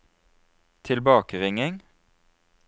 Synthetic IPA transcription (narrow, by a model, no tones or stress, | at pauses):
t̪ʰɪlbɑːkəʁɪŋɪŋ